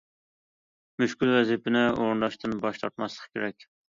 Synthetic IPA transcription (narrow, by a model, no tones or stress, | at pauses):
myʃkʲylwɛzipɪnɪoɾɨnd̪ɑʃt̪ʰɨnbɑʃt̪ʰɑɾt̪mɑslˠə̥qʰkʲʰeɾɛkʲ